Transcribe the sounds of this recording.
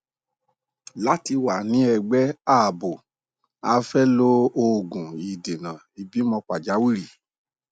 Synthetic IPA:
la˦ti˧wa˨nĩ˦ɛ˧ɡ͡bɛ˦a˦˨bo˨ | a˧fɛ˦lo˦o˧˦˨ɡũ˨i˨de˨nã˨i˨bi˦mɔ̃˧k͡pa˨d͡ʒa˨˦wi˦ɾi˨

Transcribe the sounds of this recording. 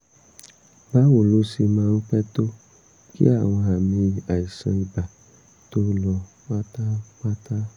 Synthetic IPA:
ba˦wo˦˨lo˦si˧mãː˧n̩˦k͡pɛ˦to˦ | kḭ˦a˦˨w̃ɔ̃˧a˨mĩ˧a˨i˨sã̰˧i˨ba˨ | to˦lɔ˧ | k͡pa˦ta˦k͡pa˦ta˦

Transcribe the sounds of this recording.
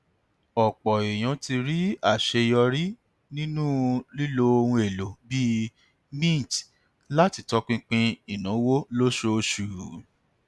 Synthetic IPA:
ɔ˨k͡pɔ˨e˨j̃ã˨˦ti˧ɾi˦a˦˨ʃe˧jɔ˧ɾi˦ | nĩ˦nũ˦li˦lo˧o˧wũ˧e˨lo˨bi˦ | mĩ˦˨t | la˦ti˧˦tɔ˦k͡pĩ˧k͡pĩ˧i˨nũ˨˦wo˦lo˦ʃo˦˧ʃu˨

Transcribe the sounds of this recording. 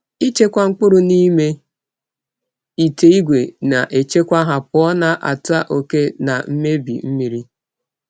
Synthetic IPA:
i˦t͡ʃe˦kʷa˦ŋ͡m̩˦k͡pʊ˦ɾʊ˨ni˦me˦ | i˨te˨i˦ɡʷe˨na˨ʔe˨t͡ʃe˦kʷa˦ɦa˨pʊ˨˦ɔ˦na˦ʔa̰˨ta˦ʔo˨ke˦na˨m̩˦me˦bḭ˨m̩˦mi˨ɾi˦

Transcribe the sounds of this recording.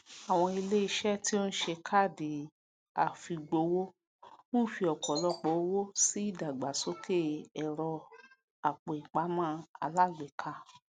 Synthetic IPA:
a˨w̃ɔ̃˧i˧le˦i˧ʃɛ˦˨ti˦o˦n̩˦ʃe˧kʰa˦˨di˨ | a˨fi˧ɡ͡bo˧wo˦ | mõ˦˨fi˧ɔ˨kɔ˨lɔ˧˦k͡pɔ˨o˦wo˦si˦i˦˨da˨ɡ͡ba˨so˨˦ke˦˨ɛ˨ɾɔ˧ | a˨k͡po˨i˨k͡pa˨˦mãː˦a̰˧la˦ɡ͡be˨kʰa˧˦

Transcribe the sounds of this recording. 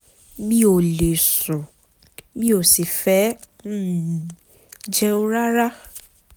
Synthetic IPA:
mĩ˦o˨le˨sɔ̃˨ | bĩ˦o˨si˨fɛ˨˦˨ | d͡ʒɛ˦o˦ɾa˦ɾa˦

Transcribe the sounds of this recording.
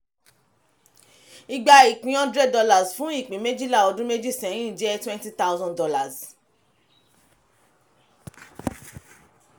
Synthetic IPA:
i˧ɡ͡ba˧i˨k͡pĩ˨˦ɔ̃˦dɾɛ˦dɔ˧la˦˨sfũ˨˦i˦˨k͡pĩ˨˦me˦d͡ʒi˦la˦˨o˨˧dũ˦me˦d͡ʒi˦˨sɛ̃˨˦j̃ĩ˦˨d͡ʒɛ˦twɛ̃˦nti˦t̪a˦wzɔ̃˧ndɔ˧la˨z

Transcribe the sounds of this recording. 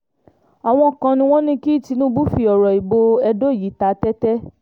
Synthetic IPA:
a˨w̃ɔ̃˧˨kã˧nĩ˧w̃ɔ̃˦nĩ˦ki˦i˦˨ti˧nũ˦bu˦fi˧ɔ˨ɾɔ˨i˨bo˧ɛ˧do˦˨ji˨˦ta˧˦tɛ˦tɛ˦

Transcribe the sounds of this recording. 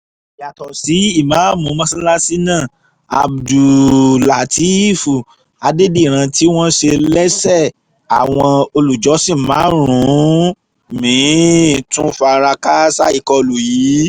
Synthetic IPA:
ja˨tɔ˨si˨˦i˦˨mãː˨˦mũ˨˦mã˧˦sĩ˦la˦si˦nãː˦˨ | a̰˨bdu˨la˨ti˦˨fu˨ | a˧de˦di˦˨ɾ̃ã˧ti˦w̃ɔ̃˦ʃe˧lɛ˦sɛ˦˨ | a˨w̃ɔ̃˧o˧lu˨d͡ʒɔ˨˦sĩ˦˨mãː˨˦ɾ̃ũ˨˦ | mĩː˨˦tũ˦fa˧ɾa˧ka˦sa˦i˦˨kɔ˧lu˨jiː˨˦

